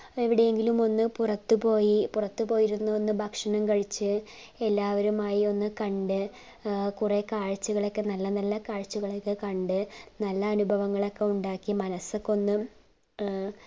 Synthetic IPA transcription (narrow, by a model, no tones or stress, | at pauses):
eʋiɽe̞jeŋɡilumo̞nːɨpurɐt̪ːɨpo̞ːjipurɐt̪ːɨpo̞ːjiɾunːɐonːɨbʱɐkʂɐnɐmkɐɻit͡ɕːɨ | e̞lːaːʋɐɾumaːjio̞nːɨkɐɳɖɨ | kurekaːɻt͡ɕːuɣɐɭokːenɐlːɐnɐlːɐkaːɻt͡ɕːuɣɐɭokːɨkɐɳɖɨnɐlːɐːnubʱɐʋɐŋːɐɭokːeuɳɖaːkːimɐnɐsokːo̞nːɨm